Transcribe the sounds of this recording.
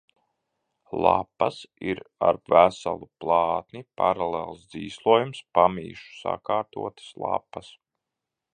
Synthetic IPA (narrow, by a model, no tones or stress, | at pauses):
lˠapːɐsiɾaɾvæsa̰lˠuplˠɑːt̪nipaɾalelˠsd̪ziːslˠuɔjumspamiːʃu̥sa̰kaːɾt̪ṵɔt̪ɨ̥slˠa̰pːas